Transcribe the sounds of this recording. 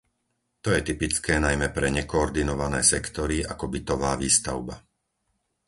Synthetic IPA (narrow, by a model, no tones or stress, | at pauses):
t̪ɔjɛt̪ipit͡skɛːnajmɛpɾɛɲɛkɔːɾd̪inɔʋanɛ̰ːsɛkt̪ɔɾiakɔbit̪ɔʋaːʋiːst̪aʊba